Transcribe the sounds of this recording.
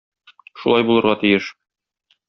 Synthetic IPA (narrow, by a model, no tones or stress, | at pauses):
ʃulˠɑjbulˠɤ̆ɾʁɑt̪ijɘʃ